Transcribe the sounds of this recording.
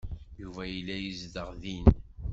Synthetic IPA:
juvæjəlːæjəzðəʁðin

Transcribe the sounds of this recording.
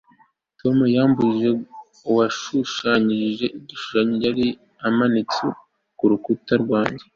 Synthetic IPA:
tʰo̞mujaːmbuʒe̞ | uwaʃuʃaɲiiʒe̞ʔiɟiʃu̥ʃaɲiɟaɾi | amanit͡sṵ | kuɾukutaɾɡwaːɲɟe

